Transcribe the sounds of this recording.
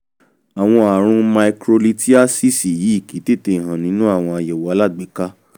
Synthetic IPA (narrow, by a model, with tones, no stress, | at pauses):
a˨w̃ɔ̃˧a˨ɾ̃ũ˧ma˧i˧kɾo˧li˧ti˦a˦si˦si˨ji˨˦i˦˨ki˨˦te˦te˧˨ɦã˨nĩ˨˦nũ˦a˦˨w̃ɔ̃˧a˨jɛ˨wa˨˦la˦˨ɡ͡be˨˦ka˦